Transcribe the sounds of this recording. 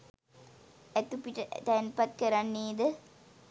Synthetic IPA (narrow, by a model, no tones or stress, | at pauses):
æt̪upiʈət̪æːnpɐt̪kɐɾanːiːd̪ə